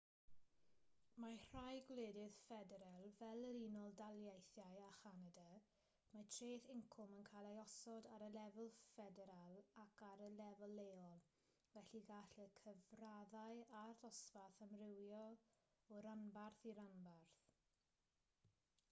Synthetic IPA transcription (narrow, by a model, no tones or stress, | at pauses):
mar̥ajɡwleːdɪðfɛdɛɾalˠvɛlˠəɾinɔlˠdalˠjejθjajaχanada | matʰreːθɪŋkʰʊmənkʰalˠajɔsɔdaɾəlɛvəlˠfɛdɛɾalˠakʰaɾəlɛvəlˠːeɔlˠ | vɛɬiɡaɬəkʰəvraðajaðɔsvaθəmrɪwjɔ | ɔɾanbarθiɾanbarθ